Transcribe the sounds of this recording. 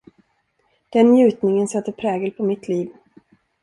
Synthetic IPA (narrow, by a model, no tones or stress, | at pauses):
d̪̥ɛnːjʉ̟ːt̪nɪŋənsɛt̪ːəɾpʰɾɛːɡəlpʰɔmɪt̪liːv